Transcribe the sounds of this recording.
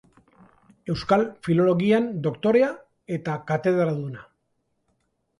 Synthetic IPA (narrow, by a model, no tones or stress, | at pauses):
e̞wskalfilo̞lo̞ɣiand̪o̞kt̪o̞ɾe̞a | e̞t̪akat̪e̞ðɾaðuna